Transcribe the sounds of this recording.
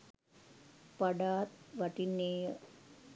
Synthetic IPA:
pɐɖaːt̪̚ʋɐʈineːj

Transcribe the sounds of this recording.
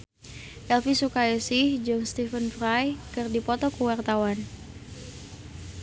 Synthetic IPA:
ʔɛlfisukajasɪhd͡ʒɨŋst̪ifənfɾajkɨrdipɔt̪ɔkəwart̪awan

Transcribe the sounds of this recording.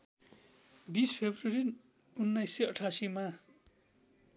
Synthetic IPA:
bispʰebrʌɾi | unːʌjsːʌʌʈʰasima

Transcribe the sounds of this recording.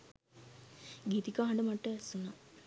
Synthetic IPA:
ɡit̪ikaɦaɳɖəmaʈːəsuna

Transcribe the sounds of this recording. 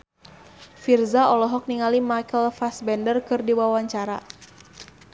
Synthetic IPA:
firzaɔlɔɦɔk̚niŋalimajkəlfasbɛndərkɨrdiwawaɲt͡ʃaɾa̰

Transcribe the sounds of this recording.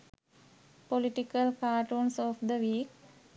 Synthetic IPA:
poliʈikəlkaːʈuːnsɔfd̪əʋiːk

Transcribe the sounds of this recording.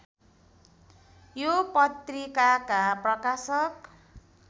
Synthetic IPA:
jopʌt̪rikakaprʌkasʌk

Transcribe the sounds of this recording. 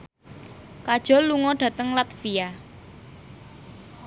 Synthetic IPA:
kad̥ʒ̥ɔ̤lːuŋɔɖ̥ä̤t̪əŋlat̪fia

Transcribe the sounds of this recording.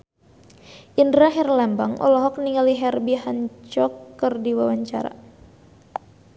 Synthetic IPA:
ʔindɾaɦɛrlambaŋʔɔ̰lɔɦɔk̚niŋaliɦɛrbiɦant͡ʃɔkːərdiwawaɲt͡ʃa̰ɾa̰

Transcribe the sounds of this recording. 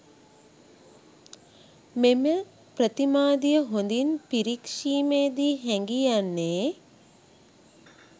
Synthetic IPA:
memə | pɾət̪imaːd̪ijəɦond̪inpiɾikʂiːmeːd̪iːɦɛŋɡijanːeː

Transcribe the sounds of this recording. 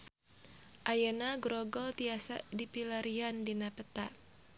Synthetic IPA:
ʔajanaɡɾɔɡɔlt̪iasa̰dipilaɾiandinapət̪a

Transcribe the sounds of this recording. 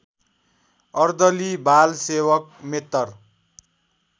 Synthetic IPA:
ʌrd̪ʌlibʱalsewʌk̚met̪ːʌr

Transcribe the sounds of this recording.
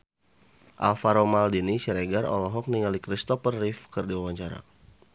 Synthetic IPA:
ʔa̰lfaɾomaldinisɛɾeɡarɔ̰lɔɦɔk̚niŋalikɾist̪ɔfərːifkɨrdiwawaɲt͡ʃaɾa̰

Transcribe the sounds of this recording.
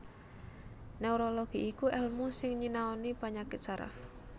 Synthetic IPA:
neuɾoloɡ̥iʔikuʔɛlmusɪŋɲinaonipaɲakɪt̪̚saɾa̰f

